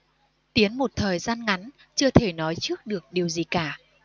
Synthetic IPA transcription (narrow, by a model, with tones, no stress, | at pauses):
t̪i˨˦ənmo˨˩t̚t̪ʰəː˨˩jzaː˧nŋa˨˦n | t͡ɕɨ˧ət̪ʰe˧˩nɔ˨˦jt͡ɕɨ˦˥ək̚ɗɨ˨˩ək̚ɗi˨˩əwzi˨˩kaː˧˩